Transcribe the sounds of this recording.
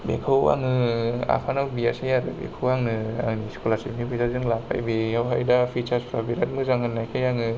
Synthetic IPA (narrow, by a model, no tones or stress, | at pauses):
bḛkʰɯwa̰ŋɯa̰pʰanawbiasijaɾɯbḛkʰɯwaŋnɯa̰ŋnisi̥kʰolasimnipʰisazɯŋlapʰa̰jbiawɦajdapʰit͡ʃaspʰɾabiɾat̚mɯzaŋɯnːajkʰajaŋɯ